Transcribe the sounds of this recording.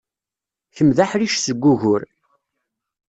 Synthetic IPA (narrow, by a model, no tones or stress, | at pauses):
çəmðaħɾiʃsəɡʷːʊʝʊɾ